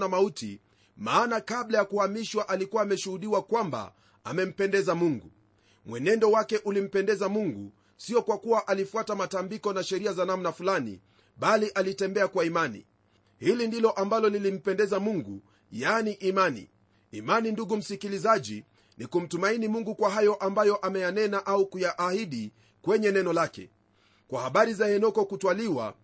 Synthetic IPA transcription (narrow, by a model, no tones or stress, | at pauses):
namautḭ | maːnakaɓlajakuhamiʃwaʔalikuwaːmɛʃuhuɗiwakwamba̰ | amɛm̩pɛndɛzamuŋɡṵ | mwɛnɛndɔwakɛʔulim̩pɛndɛzamuŋɡṵ | siɔkwakuwaʔalifuatamatambikɔnaʃɛɾiazanamnafulanḭ | ɓaliʔalitɛmbɛakwaimanḭ | hilindilɔʔambalɔnilim̩pɛndɛzamuŋɡṵ | janiʔimanḭː | maninduɡum̩sikilizaʄi | nikum̩tumainimuŋɡukwaɦajɔʔambajɔʔamɛjanɛnaʔaukujaʔːhiɗi | kwɛɲɛnɛnɔlakɛ̰ | kwahaɓaɾizahɛnɔkɔkutwaliwa̰